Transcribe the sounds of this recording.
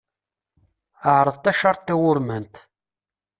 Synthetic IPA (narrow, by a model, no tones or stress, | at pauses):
əʕɾˤəðˤt̪ːæʃɑɾˤt̪ːæwʊɾmənt̪